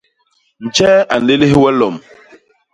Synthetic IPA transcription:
n̩˨t͡ʃɛ˦a˨n̩˨le˦le˦hwɛ˦lɔ˨m

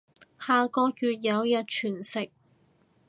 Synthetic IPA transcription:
haː˨˧kɔː˧k̚jyː˨˧t̚jɐ˨˧wjɐ˨˧t̚t͡ʃʰyː˨˩nsɪ˨k̚

